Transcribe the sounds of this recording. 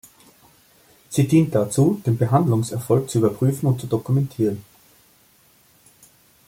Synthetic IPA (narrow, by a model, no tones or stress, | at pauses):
z̥iːdiːnt̚d̥at͡suːd̥eːnbəɦandlʊŋsɛɐfɔlk̚t͡suyːbɐpʁ̥yːfn̩ʊnt̚t͡sudokumɛntʰiːʁən